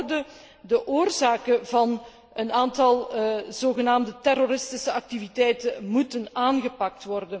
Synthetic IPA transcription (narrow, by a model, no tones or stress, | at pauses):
rdə | dəʔoːrzaːkəvɑn | ənaːntɑlˠzoːɣənaːmdətɛroɾɪstɪsəɑk̚tivitɛjtəmutənaːnɣəpɑk̚tʋɔrdən